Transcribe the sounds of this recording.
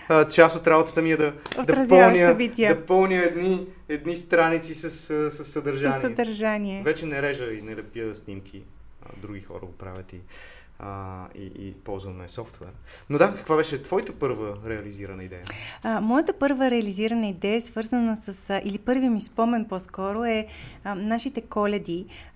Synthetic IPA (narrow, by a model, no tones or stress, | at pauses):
ət͡ʃast̪ot̪ɾabot̪ət̪əmiɛd̪ɐod̪ɐɾɐzvpəlˠnjəɐbit̪ijəɐpɤlˠnjəɛd̪ni | ɛd̪nist̪ɾanit̪sisəssəsːəd̪əɾsʒsniːəd̪ɐɾʒaniɛvɛt͡ʃɛnɛɾɛʒəinɛlɛpiəsnimkʰḭ | d̪ɾuɡʲixɔ̰ɾə̰ɡopɾa̰vʲət̪i | əḭḭpɔlˠzvəmɛsɔft̪wɛ̰ɾ | nod̪akɐ̥kvabɛʃɛt̪vɔjit̪əpɤɾvəɾɛɐliziɾɐnəid̪ɛjəmɔjət̪əpɤɾvəɾɛɐliziɾənəid̪ɛjəsvɤɾzənəsəsʔilipɤɾvimispɔmɛnposkɔɾoɛnaʃit̪ɛkɔlɛd̪i